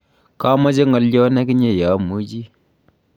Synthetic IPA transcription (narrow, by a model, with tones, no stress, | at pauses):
ka˦ma˦d͡ʒe˦ŋɔ˨ljɔ˦nɛ˦kɪ˦ɲe˦˨ja˨˦mu˦d͡ʒi˦